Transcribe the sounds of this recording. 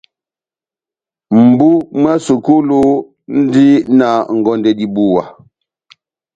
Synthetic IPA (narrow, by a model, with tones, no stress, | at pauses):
m̩˨bu˦m˦a˦su˨ku˦lu˦ | n̩˦di˦na˨ŋ̩˨ɡɔ˨ndɛ˨di˨bu˦˨wa˨